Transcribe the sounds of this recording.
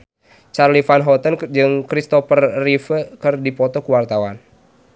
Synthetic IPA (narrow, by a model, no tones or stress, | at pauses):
t͡ʃarlifanɦɔt̪ənd͡ʒɨŋkɾist̪ɔfərːifəkɨrdipɔt̪ɔkuwart̪awan